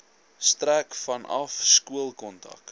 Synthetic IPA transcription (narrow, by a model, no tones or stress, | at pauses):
stɾækfɐnʔɐ̰fskuəlˠkɔntɐ̰k